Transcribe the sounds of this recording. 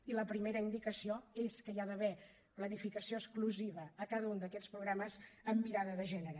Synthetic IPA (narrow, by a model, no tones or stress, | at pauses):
iləpɾimeɾəind̪ikəsioeskəiaðəβɛ | plənifikəsioəskluziβəːkaðəund̪əkɛspɾuɣɾaməzəmːiɾaðəðəʒɛnəɾə